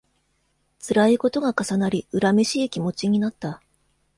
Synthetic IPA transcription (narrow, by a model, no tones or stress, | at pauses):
t͡sɨɾaiko̞t̪o̞ɡakasanaɾʲiɯ̟ɾameɕiːkʲimo̞t͡ɕiɲ̟inat̪ːa